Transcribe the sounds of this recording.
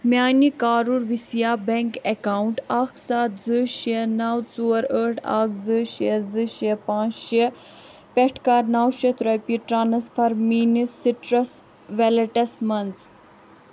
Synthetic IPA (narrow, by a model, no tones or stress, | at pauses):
mjaːnikaːɾuɾʋisijaːbɛŋkekaːwɳʈaːkʰsaːt̪zɨʃienawt͡suɐɾəːʈʰa̰ːkzɨʃiɐzɨʃɐpãːt͡ʃʃi | pɛʈʰkaːɾnawʃit̪ɾɐjpiʈɾaːnɐsfʰɐɾmiːnisiʈɾɐs | ʋɛlɐʈɐsmɐnz